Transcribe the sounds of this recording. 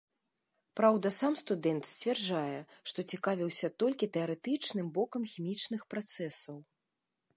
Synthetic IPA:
pɾawd̪ɐsamst̪ud̪ɛnt̪sʲt͡sʲvʲɛrd͡ʐajɛʂt̪ɔt͡sʲikavʲiwsʲɐt̪ɔlʲkʲit̪ɛɐɾɛt̪ɨt͡ʂnɨmbɔkɐmxʲimʲit͡ʂnɨxpɾat̪sɛsɐw

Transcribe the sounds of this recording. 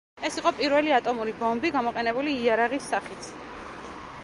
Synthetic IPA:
ɛsiqʼɔpʼiɾvɛliat̪ʼɔmuɾibɔmbiɡamɔqʼɛnɛbuliːaɾaʁisːaχit̪ʰ

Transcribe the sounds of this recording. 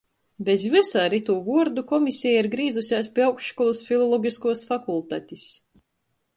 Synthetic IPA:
bʲezvʲisaːɾit̪uːvuɔɾd̪ukɔmʲisʲijaiɾɡɾiːzusʲaːspʲiawkʃkɔlˠusfʲilˠɔlˠɔɡʲiskuɔsfakulˠt̪a̰ːt̪ʲis

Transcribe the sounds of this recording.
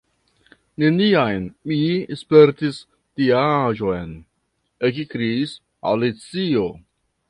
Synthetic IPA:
ne̞niajnmispe̞ɾtis | d̥iaʒo̞jn | ekikɾiːs | a̰lit͡sio

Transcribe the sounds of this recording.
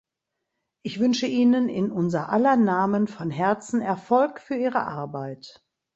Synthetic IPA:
ʔɪçv̥ʏnʃəʔiːnənɪ̰nʔʊnzɐʔalɐnaːmənfɔnɦɛɐt͡sn̩ɛɐfɔlkfyːɐʔiːʁə̰ʔa̰ɐbaɪt

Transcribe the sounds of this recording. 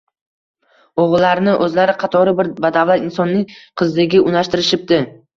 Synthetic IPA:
oʁlːaɾɪnɪʔɵzlaɾɪqʰɑt̪ʰɒɾɪbɪɾvad̪avlat̪ɪnsɒnːɪŋʲqʰɨzd̪ɪɡʲɪʔʊnaʃt̪ɪɾɪʃɪp̚d̪ɪ

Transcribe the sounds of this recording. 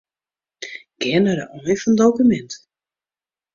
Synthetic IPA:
ɡ̥ɛnəɾəʔɔjfɔndowkymɛnt

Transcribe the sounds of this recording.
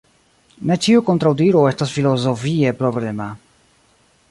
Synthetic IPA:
nɛt͡ɕiukɔnt̪ɾawd̪iɾuɛst̪asfilɔzɔfijɛpɾɔblɛma

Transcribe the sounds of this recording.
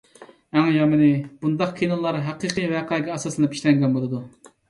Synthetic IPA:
æŋjɑmɨnɪb̥und̪ɑqkʲʰenɨlˠːɑɾɦɑqɨqʰɨvɛqʰɑɡʲɛːsɑslˠɨnɨpʰi̥ʃʲlɛŋɡʲɛnbolˠɨd̪u

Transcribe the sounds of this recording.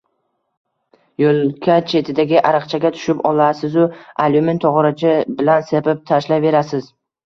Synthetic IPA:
jolkʲʰat͡ʃʰe̞t̪ʰɪd̪aɡʲɪʔaɾɨqt͡ʃʰaɡʲat̪ʰʊ̥ʃɪpɒlˠasɪzʊalʲument̪ʰːɒʁɾat͡ʃʰɪbɪlansebap̚t̪ʰaʃlave̞ɾasɪz

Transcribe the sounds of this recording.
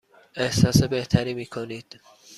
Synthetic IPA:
e̞hsɒːsebe̞ht̪ʰæɾiːmiːkʰoniːd̪̥

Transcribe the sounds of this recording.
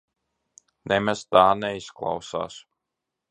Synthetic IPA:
nʔɛmʲɛst̪aːnɛisklˠa̰wsa̰ːs

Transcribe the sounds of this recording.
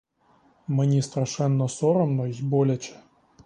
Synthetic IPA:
mɨnʲist̪ɾɐʂɛnːɔsoɾɔmnoixʲbolʲɛt͡ɕɛ̥

